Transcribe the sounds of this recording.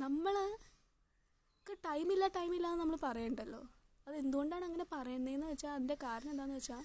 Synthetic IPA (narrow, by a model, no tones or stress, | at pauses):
nɐmːɐɭ | kːɐʈɐjmilːaʈɐjmilːaːnːɨnɐmːɐɭpɐrɐjeːɳɖɐlːo̞̰ː | ɐðe̞nd̪uɣo̞ɳɖaːɳɐŋːɐne̞pɐrɐjunːɐenːɨʋɐt͡ɕːaːɐðinde̞kaːɾɐnɐmend̪aːnːɨʋet͡ɕːaː